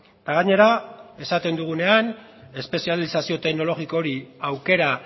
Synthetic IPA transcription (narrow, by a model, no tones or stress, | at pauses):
t̪aɣ̞aɲe̞ɾae̞sat̪e̞nd̪uɣ̞une̞ane̞spe̞sialisasio̞t̪e̞ɣno̞lo̞ɣiko̞ɾiawke̞ɾa